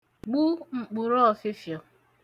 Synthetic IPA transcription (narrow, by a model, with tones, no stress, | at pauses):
ɡ͡bu˦ŋ͡m̩˨k͡pu˨ɾɔ˦ɔ˨sɪ˦fjɔ˨